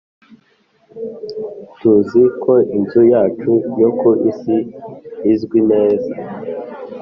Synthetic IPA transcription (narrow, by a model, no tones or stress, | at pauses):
tuzikʰo̞inzujaːt͡ʃujokoʔisiː | zɡwineːza